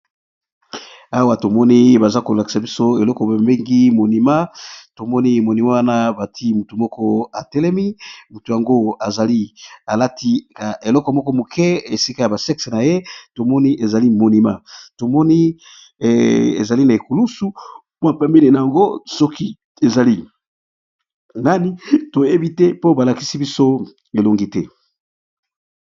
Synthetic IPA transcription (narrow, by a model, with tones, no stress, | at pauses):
a˦wa˨to˨mɔ˦ni˦ba˨za˦ko˨la˨ki̥˨sa˨bi˦so˦e˨lɔ˦kɔ˨bmbe˦ŋɡi˦mo˨ni˨ma˦to˨mɔ˦ni˦mo˨ni˨ma˦wa˦na˦ba˨tʰi˦mu˨tu˨mɔ˦kɔ˦a˨tɛ˦lɛ˦mi˦mu˨tu˨ja˨ŋɡo˦a˨za˨li˦a˨la˦tʰi˦ka˨ʔe˨lɔ˦kɔ˨mɔ˦kɔ˦mo˨kʰɛ˦e˨si˦ka˦ja˨ba˨sɛ˦kse˨na˨je˦to˨mɔ˦ni˦ʔe˨za˨li˦mo˨ni˨ma˦to˨mɔ˦ni˦˨ | ḛ˨za˨li˦na˨e˨ku˨lu˦su˦po˦a˨pa˦mbi˦li˨na˨ja˨ŋɡo˦sɔ˦ki˦ | e˨za˨li˦ | na˦ni˦to˨je˦bi˦tɛ˦po˦ba˨la˨ki˦si˦bi˦so˦ | e˨lo˨ŋɡi˦tɛ˦